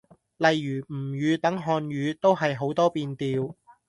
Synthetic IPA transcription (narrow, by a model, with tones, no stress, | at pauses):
lɐ˨jːyː˨˩m̩˨˩jyː˨˧t̪ɐ˨˥ŋɦɔː˧nɥyː˨˧t̪o˥wɦɐ˨jɦo˨˥wt̪ɔː˥piː˧nt̪iː˨˧w